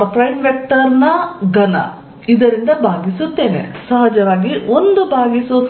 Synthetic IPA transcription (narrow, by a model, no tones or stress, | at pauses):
ɐpɾɐjɳʋjɐk̚ʈɐɾnɐɡɐnɐ̰ | id̪ɐɾind̪ɐbʱaːɡisut̪ːe̞ːnḛsɐɦɐd͡ʒɐʋaːɡio̞nd̪ubʱaːɡisu